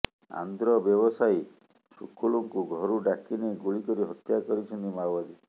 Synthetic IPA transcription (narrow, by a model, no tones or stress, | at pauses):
a̰nd̪ɾɔbjɔbɔsaj | sukːuɭuŋkuɡʱɔɾuɖakineɡuɭikɔɾiɦɔt̪jakɔɾit͡ʃʰɔnt̪imabad̪i